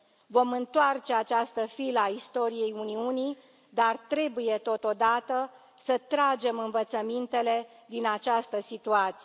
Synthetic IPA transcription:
vo̞mɨnt̪oart͡ʃe̞at͡ʃast̪əfiləaist̪o̞ɾije̞juniuni | d̪art̪ɾe̞buje̞t̪o̞t̪o̞d̪at̪ə | sət̪ɾad͡ʒe̞mɨnvət̪səmint̪e̞le̞ | d̪inat͡ʃast̪əsit̪uat̪si

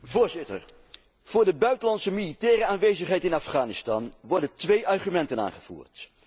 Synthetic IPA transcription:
vʊːɹzɪtə̰ɹ | v̥ʊːɹdəbœɥtənlɑntsəmilitɛːɾəaːnʋejzəχɦɛjtɪnafχaːnɪstɑnʋɔɹdəntʋejʔɑrχymɛntəna̰ːnχəv̥ṵːɹt

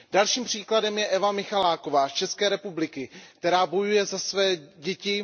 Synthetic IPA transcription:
d̥alʃiːmpr̝̥iːkladɛmjɛʔɛvamɪxalaːko̞vaːst͡ʃɛskɛːɾɛpublɪkɪkt̪ɛɾaːbo̞jujɛzasvɛːɟɛcɪ

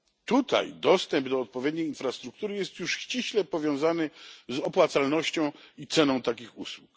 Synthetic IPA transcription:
t̪ut̪a̰jd̪ɔst̪ɛmbd̪ɔːt̪̚pɔvʲjɛd̪ɲejinfɾast̪ɾuk̚t̪uɾɘjɛst̪juʂɕt͡ɕiɕlɛpɔvʲjɔ̃w̃zanɘzɔpwat̪salnɔɕt͡ɕɔ̃w̃it̪sɛnɔ̃w̃t̪akʲixuswuk

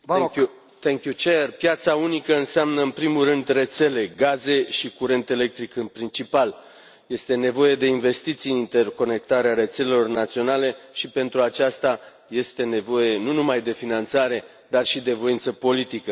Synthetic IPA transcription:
u | t̪eŋkjut͡ʃerpjat̪saunikəɨnseamnəɨnpɾimurɨnd̪re̞t̪se̞le̞ɡaze̞ʃikuɾe̞nt̪ele̞k̚t̪ɾikɨnpɾint͡ʃipal | je̞st̪e̞ne̞vo̞je̞d̪e̞inve̞st̪it̪sijnint̪e̞rko̞ne̞k̚t̪aɾeaɾe̞t̪se̞le̞lo̞rnat̪sio̞nale̞ʃipe̞nt̪ɾuat͡ʃast̪a | je̞st̪e̞ne̞vo̞je̞nunumajd̪e̞finant̪saɾe̞ | d̪arʃid̪e̞vo̞jint̪səpo̞lit̪ikə

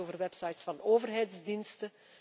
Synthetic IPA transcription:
oːvərʋɛpsɑjtsfɑnoːvərɦɛjtzdinstə

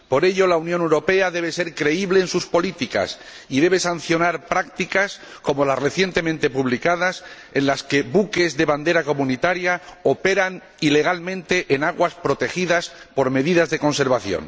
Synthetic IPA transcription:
po̞ɾe̞ʎo̞launjonewɾo̞pe̞aðe̞β̞ese̞ɾkɾe̞iβle̞ːnsuspo̞lit̪ika̰s | iðe̞β̞e̞sanθjo̞naɾpɾak̚t̪ikas | ko̞mo̞lasre̞θje̞nt̪e̞mẽnt̪e̞puβlikaðas | e̞nlaske̞βuke̞zðe̞βand̪e̞ɾako̞mũnit̪aɾjao̞pe̞ɾan | ile̞ɣ̞almẽnt̪e̞ʔenaɣwaspɾo̞t̪e̞xiðaspo̞ɾme̞ðiðazðe̞ko̞nse̞ɾβaθjo̰n

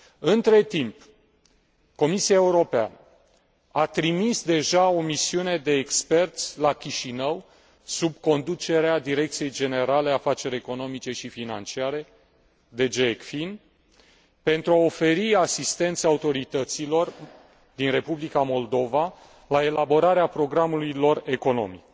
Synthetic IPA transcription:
ɨnt̪ɾe̞t̪imp | ko̞misiaeuɾo̞pea̰nə | at̪ɾimisd̪e̞ʒao̞misiune̞d̪e̞ːkspe̞rt̪sʲlakʲiʃinəw | subko̞nd̪ut͡ʃe̞ɾead̪iɾe̞k̚t̪sije̞jd͡ʒe̞ne̞ɾale̞afat͡ʃe̞ɾʲe̞ko̞no̞mit͡ʃe̞ʃifina̰nt͡ʃiaɾe̞ | d̪e̞d͡ʒekfin | pe̞nt̪ɾuao̞fe̞ɾiasist̪e̞nt̪səaut̪o̞ɾit̪ət̪silo̞r | d̪inre̞publikamo̞ld̪o̞va | lae̞labo̞ɾaɾeapɾo̞ɡɾamulujlo̞re̞ko̞no̞̰mḭk̚

